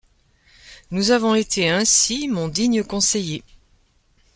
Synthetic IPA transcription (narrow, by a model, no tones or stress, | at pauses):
nuzavɔ̃et̪ʰeɛ̃simɔ̃d̪iɲəkɔ̃seje